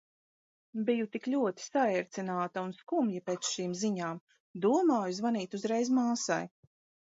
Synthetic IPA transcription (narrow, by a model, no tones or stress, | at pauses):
bijut̪ikʎʲuɔt̪i̥saɛɾt̪sinaːt̪aunskumjipeːt̪sʃiːmziɲaːm | d̪uɔmaːjuzvaniːt̪uzɾɛjzmaːsa̰j